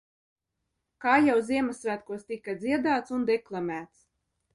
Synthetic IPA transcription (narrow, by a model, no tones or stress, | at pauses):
kaːjawziɛmasːvæːt̪kuɔst̪ikad̪ziɛd̪aːt̪sund̪eklˠamʲæːt̪s